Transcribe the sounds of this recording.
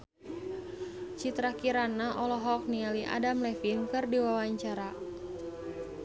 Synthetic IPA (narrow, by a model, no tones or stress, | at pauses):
t͡ʃit̪ɾakiɾanaʔɔlɔɦɔk̚nialiʔa̰damlɛfinkɨrdiwawaɲt͡ʃaɾa